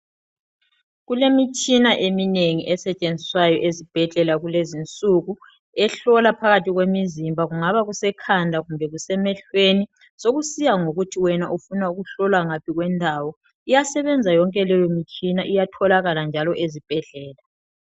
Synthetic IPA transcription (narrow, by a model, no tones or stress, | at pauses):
ɣulemit͡ʃʼinaʔemineŋiʔɛsɛt͡ʃʼend͡zʱiswajɔʔezib̥ʱɛɮɛlaɣulezint͡sʼuɣu | ɛɬɔlapʰaɣatʰiɣwemizimbʱaɣuŋaβaɣusɛkʰandʱaɣumbʱɛɣusɛmɛɬweni | soɣusijaŋoɣutʰiwɛnaʔufunauɣuɬɔlaŋapʰiɣwɛndʱawɔ | ijasɛβɛnd͡zʱajɔŋkʼɛlɛjomit͡ʃʼʰinaʔijatʰɔlaɣaland͡ʒʱalɔʔezib̥ʱɛɮɛːla